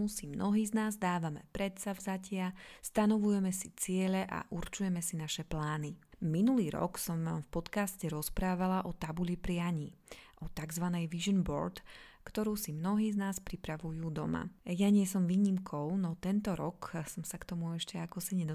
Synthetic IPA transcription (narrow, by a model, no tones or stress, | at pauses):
usimnɔɦiːznaːzd̪aːʋamɛ̰pɾɛt̪savzacɪast̪anɔʋujɛmɛsit͡sɪɛʎɛʔa̰ʔuɾt͡ʃujɛmɛsinaʃɛplaːniminuliːɾɔ̰ksɔmamfpɔt̪kascɛɾɔspɾaːʋalaʔɔt̪abuʎipɾɪaɲiː | ʔɔt̪aɡzʋanɛjʋiʒɔnbɔ̰ɾt̪kt̪ɔɾuːsimnɔɦiːznaːspɾipɾaʋujuːd̪ɔma̰jaɲɪɛsɔmʋiːɲimkʰɔʊnɔt̪ɛnt̪ɔɾɔksɔmsakt̪ɔmuɛʃcɛakɔsaɲɛd̪ɔ